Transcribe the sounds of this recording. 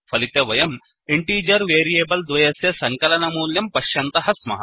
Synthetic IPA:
fʰɐlit̪eʋɐjɐm | iɳʈiːd͡ʒɐɾʋeːɾijeːbɐld̪ʋɐjɐsjɐsɐŋkɐlɐnɐmuːljɐmpɐʃjɐnt̪ɐɦɐsmɐ̰ɦɐ̰

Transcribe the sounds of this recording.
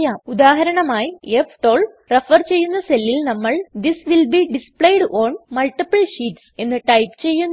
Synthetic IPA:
jaːmud̪aːɦɐɾɐɳɐmaːjiefʈoːɭ | refɐrt͡ɕe̞jːunːɐselːilnɐmːɐɭd̪isʋilbiɖispɭejɖoːnmɐlʈipɐlɕiːʈse̞nːɨʈɐjpt͡ɕe̞jːunː

